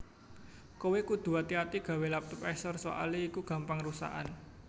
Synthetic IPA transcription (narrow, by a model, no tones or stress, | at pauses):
kowekud̪̥ṳat̪iat̪iɡ̥a̤welap̚t̪ʊpɛsɔrso̰ʔa̰liːkuɡ̥ä̤mpaŋrusa̰ʔa̰n